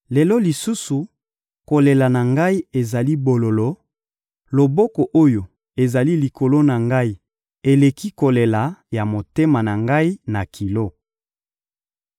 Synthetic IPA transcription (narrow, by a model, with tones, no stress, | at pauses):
le˨lɔ˦li˨su˦su˨ | ko˨le˨la˨na˨ŋɡa˦i˦e˨za˨li˦bo˨lo˨lo˦ | lo˨bɔ˦kɔ˨ʔo˦jo˨ | e˨za˨li˦li˨ko˨lo˦na˨ŋɡa˦i˨ | e˨le˨ki˦ko˨le˨la˨ja˨mo˨te˦ma˨na˨ŋɡa˦i˦na˨kʰi˨lo˦